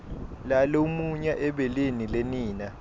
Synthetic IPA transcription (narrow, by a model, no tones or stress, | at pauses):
lalomuɲaʔɛɓɛlenileniːna